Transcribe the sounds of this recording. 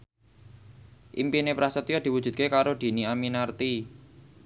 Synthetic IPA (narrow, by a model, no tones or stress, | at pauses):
ʔimpinepɾasət̪ijad̪̥i̤wud̥d͡ʒʒ̥ṳd̪̚kekaɾod̪̥i̤niaminart̪i